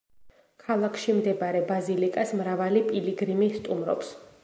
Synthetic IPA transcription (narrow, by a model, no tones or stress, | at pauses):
kʰalˠakʰʃimd̪ɛbaɾɛbazilikʼasmɾavalipʼiliɡɾimist̪ʼumɾɔ̰ps